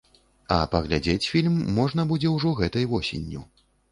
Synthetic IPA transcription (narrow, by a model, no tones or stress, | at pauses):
ɐpɐɣlʲad͡zʲet͡sʲfʲilʲmːɔʐn̪ɐbud͡zʲɛwʐɔɣɛt̪ɐjvɔsʲḛnʲːu